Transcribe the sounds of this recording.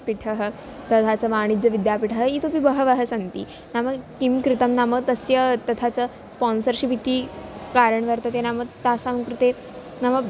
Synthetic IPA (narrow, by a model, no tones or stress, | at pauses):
piʈʰəɦə | t̪ɐt̪ʰat͡səʋaɽ̃id͡zəʋid̪japiʈʰəɦəit̪opibəɦəʋaɦəsənt̪ḭː | naməɡkimkɾit̪əmnaməɡt̪əsjət̪ɐt̪ʰat͡sə | spɔnsəɾɕipit̪iːkaɾəɳʋəɾt̪ət̪enaməɡt̪asamkɾut̪e | namə